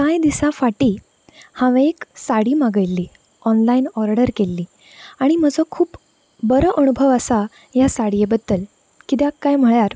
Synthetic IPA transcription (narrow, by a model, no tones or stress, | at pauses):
kajd̪isãfaʈiː | hãʋẽeksaɽiːmaɡəjlːiː | ɔnlainɔɾɖəɾkelːiː | aɽ̃im̤əd͡zʱəkʰuːp | bəɾəʔənubʱəʋəsa | jasaɽijebəd̪ːəl | kit̪̬jakːajm̤əɭjaɾ